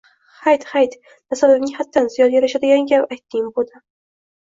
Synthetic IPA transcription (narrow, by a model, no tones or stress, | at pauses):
hajt̪hajt̪ | nasalɪvnɪhat̪ʰːanzɪjɒnjaɾaʃad̪ɪɡʲaŋkʲapajt̪ʰːɪŋbod̪ɪ